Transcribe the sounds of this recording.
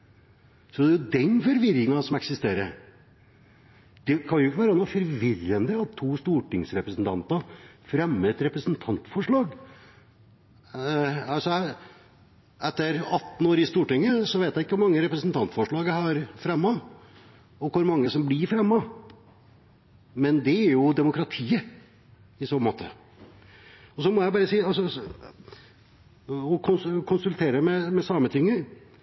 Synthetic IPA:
sɔd̪ɛjʊd̪ɛnfɔɾʋɪɾɪŋɑsɔmɛksɪst̪eːɾəɾ | d̪̥ɛkʰɑnjʊɪkːəʋæːɾənoːfɔɾʋɪrənd̪əɑt̪ʰːuːst̪uːʈɪŋsɾɛpɾəsnt̪ʰɑnt̪ɑfɾɛmːət̪ɾɛpɾəsnt̪ʰɑnt̪fɔʂɭɑːɡ | ɑsɔ | ɛt̪ːəɾɑt̪ːn̩oːɾɪst̪uːʈɪŋːəsɔʋeɪt̪jæɪɪkːəʋʊɾmɑŋːəɾɛpɾɛsnt̪ʰɑnt̪fɔʂɭɑːɡəhɑɾfɾɛmːɑ | ɔkʰʊɾmɑŋːəsɔmblɪɾfɾɛmːɑ | mɛnd̪ɛæɾjʊd̪ɛmʊkɾɑt̪ʰiːə | ɪsoːmo̰ːt̪ʰə̰ | ɔsɔmɔjæɪbɑːɾəsiːɑlsɔ | ɔkʰʊnkʰʊnsʉlt̪ʰeːɾəmɛmɛsɑːmət̪ʰʏŋːəɾ

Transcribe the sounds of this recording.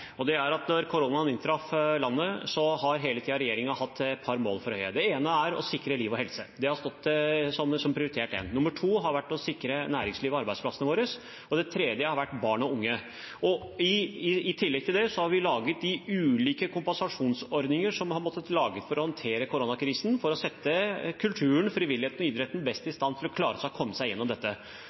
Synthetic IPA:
ɔd̪ɛæɾɑt̪nɔɾkʰʊɾoːnɑnɪnt̪ʰɾɑflɑnːəsɔhɑɾɦeːlət̪ʰiːɑɾɛjeːɾɪŋɑhɑt̪ʰːɛt̪̚pʰɑɾmo̰ːlfɔɾhœʏə̰d̪ɛeːnəæɾɔ̰sɪkːɾəliːʋɔɦɛlsəd̪ɛhɑɾst̪ɔt̪ːsɔmsɔmpʰɾɪʊɾɪt̪ʰeːʈɛ̰nnʊmːəʈʰuːɦɑɾʋæʈːɔsɪkɾənæːɾɪŋsliːʋɑɾbæɪd̪spʰlɑsənəʋoːɾəs | ɔd̪ɛt̪ʰɾeːd̪jəhɑɾʋæʈːbɑːɳɔʊŋːə | ɔ | ɪɪt̪ʰɪlːɛɡ̚t̪ʰɪld̪ɛsɔhɑɾʋɪlɑːɡət̪̚d̪ɪʉːliːkəkʰʊmpɛnsɑʂuːnsɔɾd̪nɪŋəʂɔmhɑɾmɔt̪ːət̪lɑːɡət̪fɔɾɔhɑnt̪ʰeːɾəkʰʊɾoːnɑkʰɾiːsn̩fɔɾɔsɛt̪ːəkʰʉlt̪ʰʉːəɳfɾɪʋɪlɪheːt̪nɔiːd̪ɾɛt̪ən̩bɛst̪ɪst̪ɑnt̪ʰɪlɔkʰlɑːɾəɔskʰɔmːəsæɪjɛnːɔmd̪ɛt̪ːə

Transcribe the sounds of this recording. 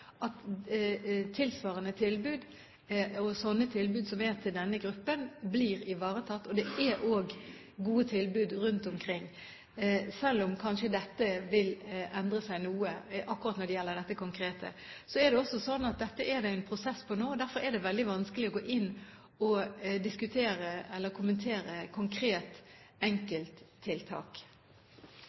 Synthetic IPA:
ɑt̪ | t̪ʰɪlsʋɑːʁənət̪ʰɪlbʉːd̪ | ɔsɔnːət̪ʰɪlbʉːd̪sɔmɛt̪ʰɪld̪ɛnːəɡɾʉpːənbliːʁɪʋɑːʁət̪ʰɑt̪ːɔd̪ɛʔæʔoːɡ | ɡuːət̪ʰɪlbʉːd̪ɾʉnt̪ɔmkʰʁɪŋː | sɛlːɔmkʰɑnʃəd̪ɛt̪ːəʋɪlɛnd̪ʁəsæɪnuːəʔɑkːʊɾʁɑt̪nɔɾd̪ɛjɛlːəʁd̪ɛt̪ːəkʊŋkɾeːt̪ʰə̰ | sɔɛd̪ɛɔsɔsɔnːɑt̪̚d̪ɛt̪ːəʔɛɾd̪æɪɛnpʰɾʊsɛspʰɔnoːd̪æɾfɔɾɛd̪ɛʋɛld̪ɪʋɑnskəlɪɔɡoːʔɪnː | ɔd̪ɪskʉt̪ʰeːɾəɛlːəɾkʰʊmənt̪ʰeːɾəkʰʊŋkʰɾeːt̪ | ɛŋkəlt̪ʰːɪlt̪ʰɑ̰ːk

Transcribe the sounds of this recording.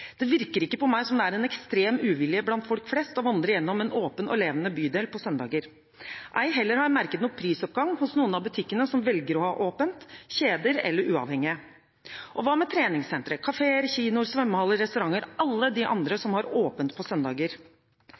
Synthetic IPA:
d̪̥ɛʋɪɾkəɾɪkːəpɔmæɪsɔmd̪ɛæɾɛnɛkst̪ɾeːmʉːʋɪlɪəblɑnt̪fɔlkflɛst̪ɔʋɑnd̪ɾəjɛnːɔmɛnoːpənɔ̰leːʋənəbyːd̪eːlpʰɔsœnd̪ɑ̰ːɡəɾ | ʔæ̰ɪɦɛlːəɾhɑɾmæɾkət̪nɔpʰɾiːsɔp̚ɡɑŋhʊsnuːənɑbʉt̪ʰɪkːənəsɔmʋɛlɡəɾɔhɑ̰ːʔoːpənt̪çeːd̪əɾɛ̰lːəɾʉːɑ̰ʋhɛŋɪə | ʔɔʋɑːmɛt̪ʰɾeːnɪŋsɛnt̪ɾəkʰɑfeːəɾçiːnʊɾsʋɛmːəhɑlːəɾɾɛst̪ʉɾɑŋːəɾɑlːəd̪ɪʔɑ̰nd̪ɾəsɔmhɑɾoːpənt̪̚pʰɔsœnd̪ɑːɡəɾ

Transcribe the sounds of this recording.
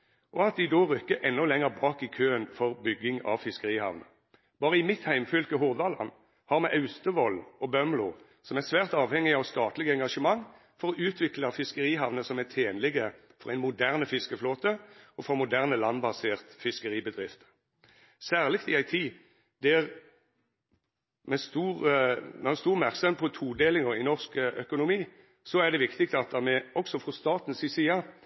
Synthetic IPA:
ʔɔɑt̪̚d̪ɪd̪oːʁʏkːəʔɛnːɔlɛŋəʁbɑːkɪkʰøːənfɔʁbʏɡːɪŋɑ̰ʋfɪskəʁiːhɑ̰ʋnə̰ | b̥ɑːʁəɪmɪt̪hæɪmfʏlkəɦʊʁd̪ɑlɑ̰n | hɑːʁmɛʔɑʉst̪əʋɔlːɔbœmlʊʁ | sɔmæsʋæːʁt̪ɑːʋhɛŋːɪɑʋst̪ɑːt̪lɪɡəɛŋɡɑʂəmɑŋ | fɔʁɔʔʉːt̪ʰʋɪklɑfɪskəʁiːɦɑʋnəsɔmæt̪ʰeːnlɪɡə | fɔʁæɪnmʊd̪æʁnəfɪskəfloːt̪əɔfɔʁmʊd̪æʁnəlɑnbɑseːʁt̪fɪskəʁiːbəd̪ʁɪft̪ə | sæːʁlɪkt̪ɪæɪt̪ʰiː | d̪ɛʁ | mɛst̪uːʁmɛhɑst̪uːʁmæʁksœmpʰɔt̪ʰuːd̪eːlɪŋəʁɪnɔʁskʔœkʊnʊmiː | sɔæd̪ɛʋɪkt̪ɪkt̪ɑt̪̚d̪ɑmɛɔksɔfʁɔst̪ɑːt̪n̩sisiːɑ

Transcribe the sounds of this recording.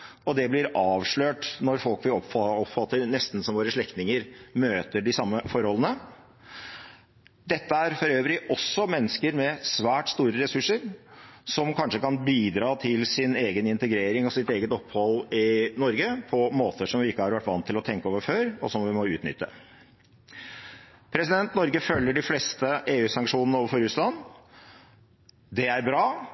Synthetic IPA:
ɔd̪ɛblɪɾɑːʋʂɭøːʈnɔɾfɔlkʋɪɔpɔpfɑt̪ːəɾnɛst̪n̩sɔmʋoːɾəʂɭɛkt̪nɪŋəɾmøːt̪əɖɪsɑmːəfɔɾhɔlənə | d̪ɛt̪ːəæɾfɔɾøːʋɾɪʔɔsːɔmɛnːəskəɾmɛsʋæːʈst̪uːɾəɾɛsʉʂəɾsɔmkʰɑnʂəkɑnbiːd̪ɾɑːt̪ʰɪlsɪneːɡənɪnt̪əɡɾeːɾɪŋɔsɪt̪eːɡət̪ɔpːhɔlɪnɔɾɡəpʰɔmoːt̪ʰəʂɔmʋɪɪkːəhɑɾʋæʈːʋɑnt̪ʰːɪlɔt̪ʰɛŋkəoːʋəɾføːɾɔ̰sɔmʋɪmɔʉːt̪nʏ̰t̪ʰːə̰ | pʰɾɛsɪd̪ɛnt̪nɔɾɡəfœlːəɖɪfleːst̪əʔeːʉːsɑŋkʂuːnənəoːʋəɾfɔɾʉslɑnː | d̪ɛæɾbɾɑː

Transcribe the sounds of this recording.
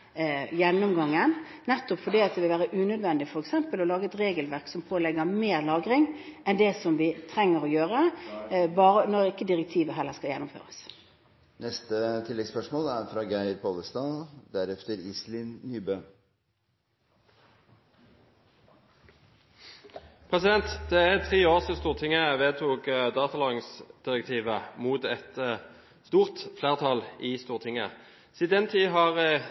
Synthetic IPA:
jɛnːʊmɡɑŋːən | nɛt̪ːʊpfɔɖiːɑt̪̚d̪ɛʋɪlʋæːʁəʔʉːnœd̪ʋɛnd̪ɪfɔɾɛksɛmpəlɔlɑːɡəɛt̪ɾeːɡəlʋæʁksɔmpʰoːlɛɡəʁmeːʁlɑːɡɾɪŋʔɛnd̪ɛsɔmʋɪt̪ʰɾɛŋːəɾɔjøːʁə | bɑːɾənɔɾɪkːəd̪ɪʁɛk̚t̪ʰiːʋəɦɛləʁskɑljɛnʊmfø̰ːʁəs | nɛst̪ət̪ʰɪlːɛɡspœʂmoːlæɾfɾɑːɡæɪɾpʰɑːləst̪ɑːd̪æɾɛft̪əɾislɪnːyːbøː | pʰʁɛsɪd̪ɛnt̪d̪̥ɛæt̪ʰʁiːoːʁsɪst̪uːʁt̪ʰɪŋːəʋeːt̪ʰuːkd̪ɑːt̪ɑlɑŋsd̪̥ɪʁək̚t̪ʰiːʋəmuːt̪ɛt̪ | st̪uːʁt̪fleːʁt̪ʰɑlist̪uːʁt̪ʰɪŋə | sid̪ɛnt̪ʰiːɦɑʁ

